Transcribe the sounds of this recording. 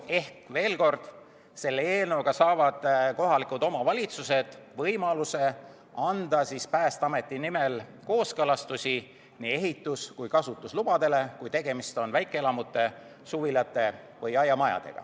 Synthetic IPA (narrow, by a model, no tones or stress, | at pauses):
e̞hkve̞ːlko̞rd̪̥ | se̞lːeeːlnoɡ̥ɑsɑːvɑd̪̥ko̞ɦɑlikˑut̪o̞mɑvɑlʲit̪suse̞d̪̥vɤjmɑluse̞ | ɑnd̪̥ɑsispæːst̪ɑme̞t̪ːˑinime̞lko̞ːskɤlɑst̪usʲi | niːe̞ɦit̪ːˑuskujkɑsut̪ˑːuslub̥ɑd̪e̞le̞kujt̪e̞ɡ̥e̞mist̪o̞nvæjkːˑeelɑmut̪ːˑe̞ | suvilɑt̪ːˑe̞ | vɤjɑjːɑmɑjɑ̰d̪̥e̞̰ɡ̥ɑ̰